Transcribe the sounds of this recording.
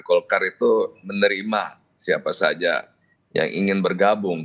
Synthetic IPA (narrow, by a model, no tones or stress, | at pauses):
kɔlkaɾit̪umənəɾima | siapasad͡ʒa̰ | ja̰ŋʔiŋɪnbərɡabʊŋ